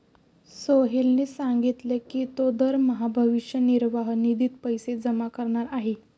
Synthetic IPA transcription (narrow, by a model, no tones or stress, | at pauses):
soɦelnesaŋɡit̪lekiːt̪od̪əɾməɦabʱəʋiʂjəniɾʋaɦnid̪iːt̪pəjsed͡zəmakəɾɳaɾaɦe